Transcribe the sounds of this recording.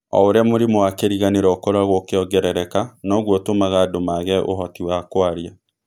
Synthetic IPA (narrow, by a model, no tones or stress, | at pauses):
ɔ̰oɾeamoɾemoakeɾiɣaneɾɔːkɔɾaɣokeɔɡɛɾɛɾɛkanɔːɣwɔtomaɣadomaɣɛʔo̰ɦɔtiwakwaɾia